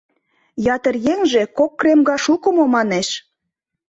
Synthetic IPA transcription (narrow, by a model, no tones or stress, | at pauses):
jɑt̪ə̆rjeŋʒekokːremɡɑʃukə̆momɑneʃ